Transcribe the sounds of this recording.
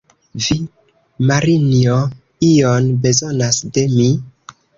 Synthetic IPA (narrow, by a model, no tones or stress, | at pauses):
vi | maɾinio | ijonbe̞zo̞nasde̞mi